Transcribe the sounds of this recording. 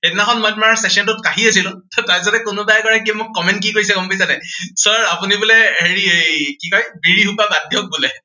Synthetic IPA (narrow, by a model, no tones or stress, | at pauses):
etnakʰɔnmɔjtmaɹsesɔntʊt̚kaɦiasilʊ̃ttajs̬atɛkʊnʊbajkɔɹakiɛmʊkːɔmɛntkikoɹisɛkɔmpisanɛjsɔɹapunibulɛheɹiekikɔjbiɹiɦupabadʱjɔk̚bulɛ